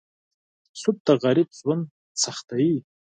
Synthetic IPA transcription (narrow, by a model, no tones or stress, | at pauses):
sup̚tʰʼaʁaɾit̚t͡sʼwʊn | t͡sʰaχtʰaji